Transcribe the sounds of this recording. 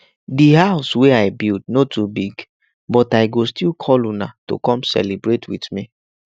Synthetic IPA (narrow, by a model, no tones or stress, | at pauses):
diɦaʊsweaɪbild̚notubiɡ | bɔtaɪɡostilkʰɔlunato̰kɔ̃msɛ̰libɹetʰwidmi